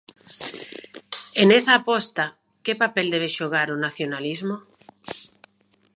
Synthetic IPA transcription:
enesaːpɔst̪a | kepapeld̪eβ̞eʃoɣ̞aɾonaθjonalizmo

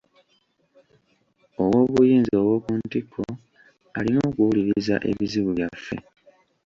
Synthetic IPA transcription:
o̞wo̞ːβujiːnzio̞wo̞ːkuntikʰːo | alino̞ːkuwuliɾiza̰ʔe̞̰βiziβuβjafːe̞̰

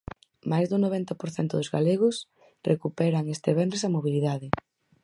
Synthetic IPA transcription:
majzðuŋnoβɛnt̪ɐpoɾθɛnt̪ʊðʊzɣaleɣ̞ʊs | rʔekupɛɾaŋest̪eβɛnesɐmoβ̞iliðaðɪ

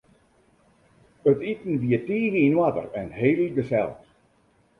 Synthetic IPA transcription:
ətitn̩ʋiətiːɣəinwatə̰rɛnheːlɡəsɛ̰lˠt

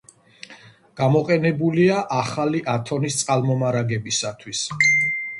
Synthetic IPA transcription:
ɡ̥amɔqʼɛnɛbuliaʔaχaliʔat̪ʰɔnist̪sʼalˠmɔmaɾaɡɛbisat̪ʰwis

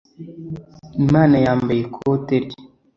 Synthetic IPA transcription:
imaːnajaːmbejekʰoteɾi̥

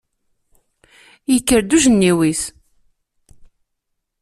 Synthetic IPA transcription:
jəkːəɾd̪uʒənːiwis

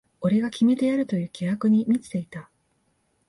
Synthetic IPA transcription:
o̞ɾe̞ɡakʲime̞t̪e̞aɾɯ̟t̪o̞jɯ̟ːkʲeɦakɯ̟ɲ̟imʲit͡sɨ̥t̪e̞it̪a

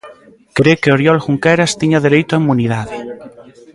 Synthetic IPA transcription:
kɾekeoɾjɔlxuŋkɛɾast̪iɲaðeɾejt̪ʊaimuniðaðɪ

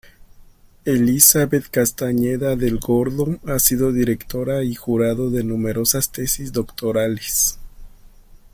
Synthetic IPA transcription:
e̞lisaβe̞t̪kast̪aɲe̞ðaðe̞lɡo̞ɾðo̞asiðo̞ðiɾe̞kt̪o̞ɾaixuɾaðo̞ðe̞nume̞ɾo̞sast̪e̞sizd̪o̞kt̪o̞ɾales

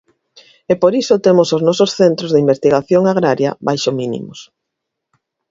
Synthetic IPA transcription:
epoɾisot̪emosoznɔsosθent̪ɾozðeimbest̪iɣaθjoŋaɣ̞ɾaɾjɐ̰βajʃominḭmos

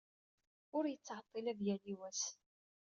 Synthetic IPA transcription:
ʊɾjət͡sːʕɑt̪ˤːɪlæðjæliwæs

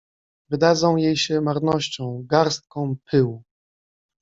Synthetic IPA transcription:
vɘd̪ad̪zɔ̃w̃jejɕɛmaɾnɔɕt͡ɕɔ̃w̃ɡaɾst̪̚kɔ̃w̃pʰɘwu

